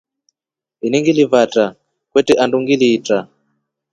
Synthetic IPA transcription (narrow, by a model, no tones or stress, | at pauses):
iniŋɡilivatʼa | kwɛtɛʔanduŋɡiliːtʼa